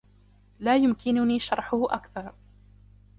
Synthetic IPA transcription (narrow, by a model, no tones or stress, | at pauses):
laːjʊmkɪnʊniːʃɑɾˤħʊhʊʔakθɑɾˤ